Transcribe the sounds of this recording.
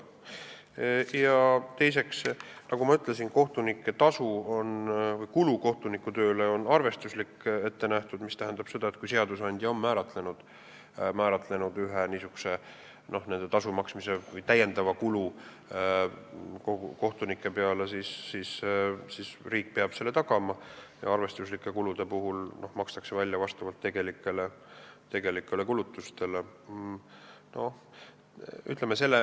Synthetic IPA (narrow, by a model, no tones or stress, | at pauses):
jɑt̪e̞js̬e̞ksnɑɡ̥umɑyt̪ˑlesinko̞ht̪unikːˑet̪ɑsuonvɯjkuluko̞ht̪unikːˑut̪ø̞ːle̞o̞nɑrve̞st̪uslikːe̞t̪ːe̞næht̪ud̪̥mist̪æɦænd̪̥ɑb̥se̞d̪̥ɑe̞t̪̚kujs̬e̞ɑd̪usɑnʲd̪̥jɑo̞mːæːɾɑt̪ˑle̞nud̪̥ | mæːɾɑt̪ˑle̞nud̪̥yɦeniːsuɡ̥u̥se̞ | no̞hne̞nd̪̥et̪ɑsumɑksmise̞vɯjt̪æje̞nd̪ɑvɑkulu | koko̞ht̪unikːˑe̞pe̞ɑlesisːissisriːk̚ːˑpeɑb̥se̞lːe̞t̪ɑɡ̥ɑmɑjɑ̰ɑrve̞st̪uslikːˑe̞kulud̪̥e̞puɦulno̞hmɑkst̪ɑ̥kse̞vælʲjɑvɑst̪ɑvɑlt̪ːe̞ɡ̥e̞likːˑe̞let̪e̞ɡ̥e̞likːˑe̞le̞kulut̪ːˑust̪e̞le | nʔoh | y̰t̪ːˑlemːese̞lːe